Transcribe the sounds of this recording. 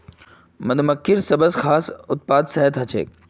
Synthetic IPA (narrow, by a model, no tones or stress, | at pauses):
mɐd̪mɐkʰːiɾsɐbəzxaːsʊt̪̚paːd̪sɛɦət̪ɦɐt͡ɕʰḛːk̚